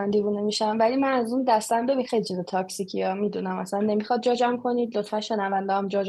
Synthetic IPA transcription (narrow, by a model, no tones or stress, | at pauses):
ænd̪ivunemiʃænvælimænæzuːnd̪æst̪ænd̪omexejlit͡ʃʰizet̪ʰɒcʰsicʰiɒːmid̪unæmæslænːe̞mixɒd̪̚d͡ʒɒːd͡ʒæmkʰo̞niːd̪lo̞t̪fænʃenævænd̪æɒmd͡ʒɒd͡ʒ